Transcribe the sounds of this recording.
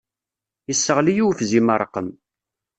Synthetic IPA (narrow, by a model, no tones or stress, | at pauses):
jəsːəʁlijuwfziməɾˤqːəm